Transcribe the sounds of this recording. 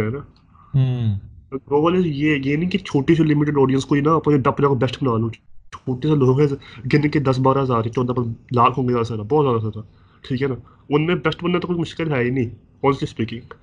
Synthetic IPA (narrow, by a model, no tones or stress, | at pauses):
ɛːna | ɡɾoːbəlesjeːjeːnĩːkit͡ʃʰoːʈis̬elɪmɪʈɪɖɔːɖijənskoːinaɐpnẽɖɐpnaːkobɛsʈbɐnaːlũt͡ʃʰoːʈiseloːɡɦɛɡɪnked̪ɐs̬baːɾaɦɐzaːɾet͡ʃɔ̃ːd̪alaːɾkʰɦõːŋɡeaːd̪asaːɾabɔːt̪zjaːd̪aɦaːɾa | ʈʰiːkɦɛna | ʊnmẽbɛsʈbɐnːat̪okʊt͡ʃmʊʃkɪlɦɛːinĩː | ɔːlsispiːkɪ̃ŋɡ